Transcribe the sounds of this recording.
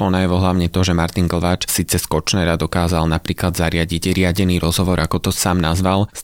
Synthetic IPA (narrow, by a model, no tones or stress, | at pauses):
ɔnajɛʋɔɦlaʊɲɛt̪ɔʒɛmaɾt̪inɡl̩ʋaːt͡ʃsiːt͡sɛskɔt͡ʃnɛɾad̪ɔkaːzalnapɾiːklad̪zaɾɪaɟiɟɾɪaɟɛniːɾɔzɦɔʋɔɾakɔt̪ɔsaːmnazʋal